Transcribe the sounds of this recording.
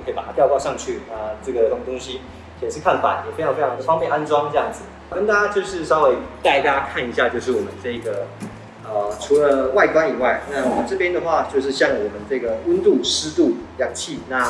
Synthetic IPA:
kʰi˨˩pa˨˩a˥jɑ˥˧kwa˥˧ʂɑ˥˧ŋt͡ɕʰy˥˩ə˩ʈ͡ʂɤ˥˩ɡə˩t̪ŋ˩t̪ʊ˥ŋɕi˥ | ɕjɛ˨˩nʂɻ̩˥˧kʰa˥˩nfa̰˨˩˦njɛ˨˩e˥ɑ˧˥ŋfe˥ɪɑ˧ŋd̪ə˧fɑ˥ŋpjɛ˥˨na˥nʈ͡ʂwɑ˥ŋʈ͡ʂɤ˧jɑ˥˩ŋd͡zɹ̩˨˩kə˥nt̪a˥a˥t͡ɕjo˥˧ʊʂɻ̩˥˩ʂɑ˥ʊwe˧˥ɪt̪a˥˩ɪt̪ja˥kʰa˥˩ni˧˥ɕja˥˧t͡ɕjo˥˧ʊʂɻ̩˥˩wɔ˨˩mə˦nʈ͡ʂɤ˥˧˩ɡə˩ | ə˩ʈ͡ʂʰu˧˥lə˧wa˥˩ɪkwa˥ni˨˩wa˥˩ɪna˥˩˨ʈ͡ʂɤ˥˩pjɛ˥nd̪ə˨xwa˥˧t͡ɕjo˥˧ʊʂ̬ɻ̩˥˧ɕjɑ˥˩ŋwɔ˨˩mə˦nʈ͡ʂɤ˥˩ɡə˩wə˥nt̪u˥˩ʂɻ̩˥t̪u˥˩ljɑ˨˩ŋt͡ɕʰi˥˩na˥˩

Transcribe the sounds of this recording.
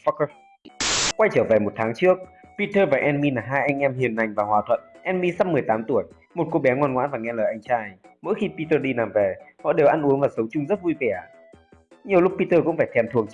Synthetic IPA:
fk | kwa˧jt͡ɕəː˧˩vɛ˨˩mo˨˩t̚t̪ʰaː˨˦ŋt͡ɕɨ˦˥ək̚pi˧t̪əː˧vaː˨˩ʔɛ˧nmi˧naː˨˩ɦaː˧jʔa˧jŋ̟ʔɛ˧mhi˨˩ənːa˨˩jŋ̟vaː˨˩hwaː˨˩t̪ʰwə̰˧˨nʔɛ˧nmi˧sa˧mːɨ˨˩əjt̪aː˨˦mt̪u˧˩əj | mo˨˩t̚ko˧ɓɛ˨˦ŋɔ˧nŋwa̰ː˧˥nvaː˨˩ŋɛ˧˥ləː˨˩ʔa˧jŋ̟t͡ɕaː˧jmə̰˧˥jxi˧pi˧t̪əː˧ɗi˧naː˨˩mvɛ˨˩hɔ̰˧˨ɗe˨˩wʔa˧nʔu˨˦əŋvaː˨˩sə˨˦wŋ͡mt͡ɕʊ˧ŋ͡mzə˦˥t̚vu˧jvɛ˧˩ʔa˨˩ | ɲi˨˩əwlʊ˦˥k̚pi˧t̪əː˧kʊ̰˧˥ŋ͡mfaː˧˩jt̪ʰɛ˧mt̪ʰɨ˨˩əŋ

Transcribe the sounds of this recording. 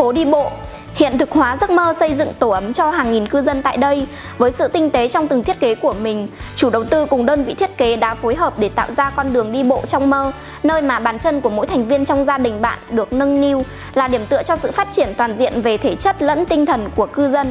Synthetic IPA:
fo˨˦ɗi˧ɓo̰˧˨ | hḭ˧˨ənt̪ʰɨ˨˩k̚hwaː˨˦zə˦˥t̚məː˧sə˧jzɨ̰˧˨ŋt̪o˧˩ʔə˨˦mt͡ɕɔ˧haː˨˩ŋːi˨˩nkɨ˧zə˧nt̪a̰ː˧˨jɗə˧j | vəː˨˦jsɨ̰˧˨t̪ï˧ŋ̟t̪e˨˦t͡ɕɔ˧wŋ͡mt̪ɨ˨˩ŋt̪i˦˥ət̚ke˨˦ku˧˩əmï˨˩ŋ̟t͡ɕu˧˩ɗə˨˩wt̪ɨ˧kʊ˨˩ŋ͡mɗəː˧nvḭ˧˨t̪ʰi˦˥ət̚ke˨˦ɗa̰ː˧˦˥fo˨˦jɦəː˨˩p̚ɗe˧˩t̪a̰ː˧˨wzaː˧kɔ˧nɗɨ˨˩əŋɗi˧ɓo̰˧˨t͡ɕɔ˧wŋ͡mməː˧ | nəː˧jmaː˨˩ɓaː˨˩nt͡ɕə˧nku˧˩əmo̰˧˥jt̪ʰjŋ̟vi˧ənt͡ɕɔ˧wŋ͡mzaː˧ɗï˨˩ŋ̟ɓa̰ː˧˨nɗɨ˨˩ək̚nə˧nni˧w | laː˨˩ɗi˧˩əmt̪ɨ̰˧˨ət͡ɕɔ˧sɨ̰˧˨faː˦˥t̚t͡ɕi˧˩ənt̪waː˨˩nzḭ˧˨ənve˨˩t̪ʰe˧˩t͡ɕə˦˥t̚lə̰˧˥nt̪ï˧ŋ̟t̪ʰə˨˩nku˧˩əkɨ˧zə˧n

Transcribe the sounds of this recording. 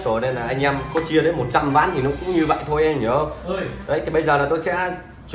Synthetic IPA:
t̪o˧˩ne˧nlaː˨˩ʔa˧jŋ̟ʔɛ˧mkɔ˨˦t͡ɕi˧əɗe˨˦nmo˨˩t̚t͡ɕa˧mvaː˨˦nt̪ʰi˨˩nɔ˨˦kʊ̰˧˥ŋ͡mɲɨ˧və̰˧˨jt̪ʰo˧jʔɛ˧mɲə˨˦˧ŋ͡mɗə˨˦jt̪ʰi˨˩ɓə˧jzəː˨˩laː˨˩t̪o˧jsɛ̰˧˥ | t͡ɕ

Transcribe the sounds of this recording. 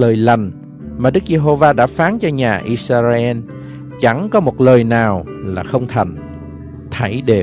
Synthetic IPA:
ləː˨˩jla˨˩ŋ̟ | maː˨˩ɗɨ˦˥k̚ze˧ɦo˧vaː˧ɗa̰ː˧˥faː˨˦nt͡ɕɔ˧ɲaː˨˩ʔi˧saː˧za˧ʔɛ˧n | t͡ɕa˧˩ŋkɔ˨˦mo˨˩t̚ləː˨˩jnaː˨˩wlaː˨˩xə˧wŋ͡mt̪ʰa˨˩ŋ̟ | t̪ʰa˧˩jɗe˨˩

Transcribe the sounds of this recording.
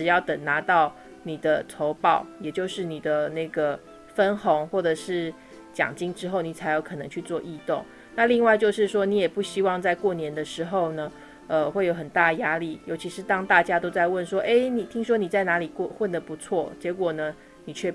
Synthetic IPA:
ʈ͡ʂɻ̩˨˩jɑ˥˩ʊt̪ə˨˩nna˧˥t̪ɑ˥˩ʊ | ni˨˩d̪ə˦t̪ʰo˧˥ʊpɑ˥˩ʊjɛ˨˩t͡ɕjo˥˧ʊʂɻ̩˥˩ni˨˩d̪ə˦ne˥˩ɪɡə˩ | fə˦nxo˧˥ŋxwɔ˥˩ʈ͡ʂɤ˨˩ʂɻ̩˥˩ | t͡ɕjɑ̰˨˩ŋt͡ɕi˥ŋʈ͡ʂɻ̩˥xo˥˩ʊni˨˩t͡sʰa˧˥ɪjo˧ʊkʰɤ˨˩nɤ˧˦ŋt͡ɕʰy˥˧t͡swɔ˥˧ʔi˥˧t̪ʊ˥˩ŋ | na˥˧li˥˧ŋwa˥ɪt͡ɕjo˥˧ʊʂɻ̩˥˧ʂwɔ˥ni˧˥jɛ˨˩pu˥˩ɕi˥wɑ˥˧ŋt͡sa˥˧ɪkwɔ˥˩njɛ˧˥nd̪ə˨ʂɻ̩˧˥xo˥˩ʊnə˩ | ə˧xwe˥˩ɪjo˧˥ʊxə˨˩nt̪a˥˩d̪ə˩ja˥li˥˩jo˧˥ʊt͡ɕʰi˧˥ʂɻ̩˧˥t̪ɑ˥ŋt̪a˥˩t͡ɕja˥t̪o˥ʊt͡sa˥˧ɪwə˥˩nʂwɔ˥ʔe˥ɪni˨˩t̪ʰi˥ŋʂ̬wɔ˥ni˨˩t͡sa˥˩ɪna˧˥li˨˩kxwə˥˩nd̪ə˩pu˧˦˥t͡sʰwɔ˥˩t͡ɕjɛ˧˥kwɔ˨˩nə˦ | ni˨˩t͡ɕʰɥɛ˥˩

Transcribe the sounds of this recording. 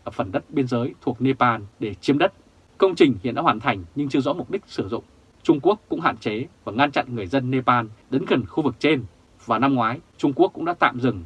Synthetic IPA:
ə˨˩p̚fə˧˩nɗə˦˥t̚ɓi˧ənzəː˨˦jt̪ʰu˨˩ək̚ne˧paː˧nɗe˧˩t͡ɕi˨˦əmɗə˦˥t̚ | kə˧wŋ͡mt͡ɕï˨˩ŋ̟hḭ˧˨nɗa̰ː˧˥waː˨˩nt̪ʰa˨˩jŋ̟ɲɨ˧ŋt͡ɕɨ˧əzɔ̰˧˥mʊ˨˩k͡p̚ɗï˦˥k̟̚sɨ˧˩zʊ̰˧˨ŋ͡m | t͡ɕʊ˧ŋ͡mku˦˥əkːʊ̰˧˥ŋ͡mɦa̰ː˧˨nt͡ɕe˨˦vaː˨˩ŋa˧nt͡ɕa̰˧˨nŋɨ˨˩əjzə˧nːe˧paː˧nɗə˨˦nɣə˨˩nxu˧vɨ˨˩k̚t͡ɕe˧n | vaː˨˩na˧mŋwaː˨˦jt͡ɕʊ˧ŋ͡mku˦˥əkːʊ̰˧˥ŋ͡mɗa̰ː˧˥t̪a̰ː˧˨mzɨ˨˩ŋ

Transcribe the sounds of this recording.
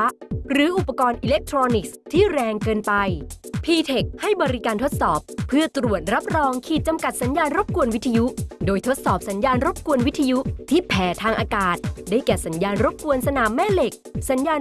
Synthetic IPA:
ɾɯː˩˦ʔu˨˩pːa˧kɔː˧nʔiː˧le˦˥k̚t̪ʰɾoː˧ni˨˩k̚st̪ʰiː˥˩ɾɛː˧ŋkɤː˧npa˧jpʰiː˧t̪ʰe˨˩k̚ha˥˩jbɔː˧ɾi˦˥kaː˧nt̪ʰo˦˥t̪̚sɔː˨˩p̚ʰːɯ˥˩ɐt̪ɾu˨˩ət̪̚ɾa˦˥p̚ɾɔː˧ŋkʰiː˨˩t̪̚t͡ɕa˧mka˨˩t̪̚sa˩˦njaː˧nɾo˦˥p̚ku˧ənwi˦˥t̪ʰːa˧ju˦˥doː˧jt̪ʰo˦˥t̪̚sɔː˨˩p̚sa˩˦njaː˧nɾo˦˥p̚ku˧ənwi˦˥t̪ʰːa˧ju˦˥t̪ʰiː˥˩pʰɛː˩˦t̪ʰaː˧ŋʔaː˧kaː˨˩t̪̚daː˥˩jkɛː˨˩sa˩˦njaː˧nɾo˦˥p̚ku˧ənsa˧naː˨˩˦mːɛː˥˩le˨˩k̚sa˩˦njaː˧n

